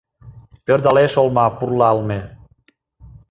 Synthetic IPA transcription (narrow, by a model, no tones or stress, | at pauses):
pøɾd̪aleʃolmapurlalme